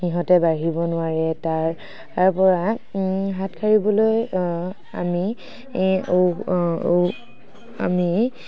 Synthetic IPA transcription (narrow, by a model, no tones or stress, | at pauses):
xiɦɔtɛbaɦibɔnʊaɹɛtaɹ | aɹpɔɹaɦatkʰaɹibɔloj | ami | o | a̰mi